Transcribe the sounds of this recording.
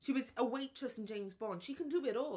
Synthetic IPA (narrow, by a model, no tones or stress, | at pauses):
ʃiwʌzəweɪt͡ʃʰʌsn̩d͡ʒẽɪ̃mzbɔ̃nʃikʰɨ̃ndɨbɪɾɔ